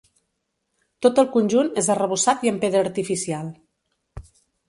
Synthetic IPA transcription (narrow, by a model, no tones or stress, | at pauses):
t̪ot̪əlˠkunʲʒunezərəβ̞usat̪iəmpeðɾəːɾt̪ifisialˠ